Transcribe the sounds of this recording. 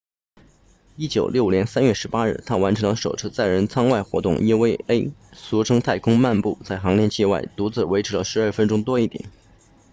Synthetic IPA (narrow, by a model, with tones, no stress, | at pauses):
i˥t͡ɕjo˨˩ʊljo˥˩ʊ˩njɛ˧˥nsa˥nɥɛ˥˩ʂɻ̩˧˥pa˥ɻ̩˥˩t̪ʰa˥wa˧˥nʈ͡ʂʰɤ˧˥ŋlə˧ʂo˨˩ʊt͡sʰɹ̩˥t͡sa˥˩ɪɻə˧˥nt͡sʰɑ˥ŋwa˥˩ɪxwɔ̰˧˥t̪ʊ̰˥˩ŋʔi˥we˥ɪe˥ɪsu˧˥ʈ͡ʂʰɤ˥ŋt̪ʰa˥˩ɪkʰʊ˥ŋma˥˧npu˥˧t͡sa˥˩ɪxɑ˧˥ŋljɛ˥˧nt͡ɕʰi˥˧wa˥˩ɪt̪u˧˥t͡sɹ̩˥˩we˧˥ɪʈ͡ʂ̩ʰ˧˥lə̰˧ʂɻ̩˧˥˩fə˥nʈ͡ʂʊ˥ŋt̪wɔ˥i˥˩t̪jɛ̰˨˩˦n